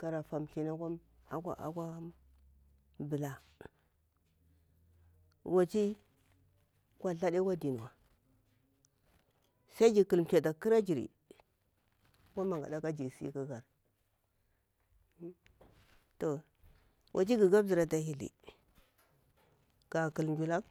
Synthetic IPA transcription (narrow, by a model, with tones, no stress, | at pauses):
ka˨ɾa˨fa˨mɬi˨na˦ka˦m | a̰˨kʷa̰˦ʔa̰˨kʷa˦ | bə˨la˦ | wa˨t͡ʃi˦ | kʷa˨ɬa˦ɗe˦kʷa˦di˨n˨wa˨ | sa˦i˦d͡ʒi˨kə˨lm˨t͡ʃe˨ta˨ki˦ɾa˦d͡ʒi˨ɾḭ˨ | ka˦ma˨ŋɡa̰˨da˦ka˦d͡ʒi˨sḭ˦ka˦ɡa˨ɾ | to˨ | wʔa̰˨t͡ʃi˦ɡi˨ɡa˦bzi˨ɾa˨ta˨hi˨lḭ˨ | ɡ̥a˨kə˨lnd͡ʒu˨la˦